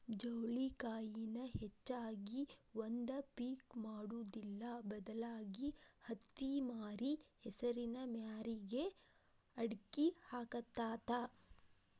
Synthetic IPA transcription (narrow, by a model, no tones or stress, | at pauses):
d͡ʒɐwlikaːjinɐhet͡ʃːaːɡiʋond̪ɐpiːkmaːɽuːd̪ilːɐbɐd̪ɐlaːɡihɐt̪ːimaːɾihɛsɐɾinɐmjaːɾiɡe | ɐɽkihaːkɐt̪ːaːt̪aː